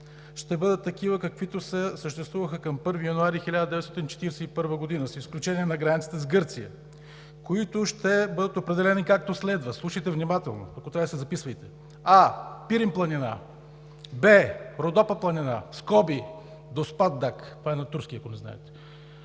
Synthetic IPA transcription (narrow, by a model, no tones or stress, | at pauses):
ʃt̪ɛbɤd̪ət̪ːɐkivəkɐkvit̪ʊsɛsəʃt̪ɛst̪vuvəxəkɐmpɤɾvijɐnuaɾixɛlʲad̪əd̪ɛvɛt̪sɔt̪int͡ʃɛ̥t̪iɾɛsɛipɤɾvəɡod̪inəsisklʲut͡ʃɛniɛnɐɡɾanit̪sit̪ɛzɡɤɾt̪sijə̰ | koit̪ʊʃt̪ɛbɤd̪ət̪opɾɛd̪ɛlɛnikak̚t̪oslɛd̪vəslˠuʃəjt̪ɛvnimat̪ɛ̰lˠno̰ɐkot̪ɾaəsɛzɐpisvəjt̪ɛ̥ | apiɾimplˠɐnina̰ | bɛɾod̪ɔpəplˠɐninaskɔbi | d̪ospad̪d̪akt̪vaɛnɐt̪uɾskʲiɐkonɛzna̰ɛ̰t̪ɛ̥